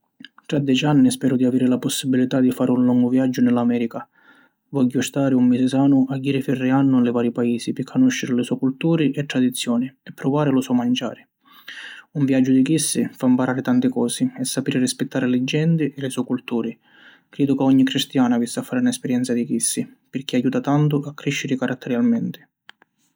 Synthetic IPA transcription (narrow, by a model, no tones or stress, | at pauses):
t̪ɾad̪ːjɛt͡ʃanːispɛːɾʊd̪iaviːɾɪlapɔsːibilit̪ad̪ifaːɾʔɪunlɔŋɡʊvjad͡ʒːʊnɛlːamɛːɾika | vɔɟːʊst̪aːɾɪumːisɪsaːnʊʔaɡːiːɾɪfɛrːɪanːʊlɪvaːɾjipaiːsipɪkʰːanuʃːɪɾɪlɪsuɔkult̪uːɾɪʔɛt̪ːɾad̪it̪sːjɔːnɪɛpːɾʊvaːɾɪlʊsɔmand͡ʒa̰ːɾɪ | uɱvjad͡ʒːʊd̪ik̟isːifaimpaɾaːɾɪt̪ant̪ɪkɔːsɪɛsːapiːɾɪrispɪt̪ːaːɾɪlɪd͡ʒːɛnt̪ɪʔɛlɪsuːkult̪uːɾɪ | kɾɛːd̪ʊkaɔɲːikɾist̪jaːnavisːɪafːaːɾɪunaɛspɛɾjɛnsad̪ik̟isːipɪrk̟iajuːt̪at̪ant̪̬ʊʔakːɾiʃːɪɾɪkaɾʔat̪ʰːɛɾjalmɛnt̪ɪ̥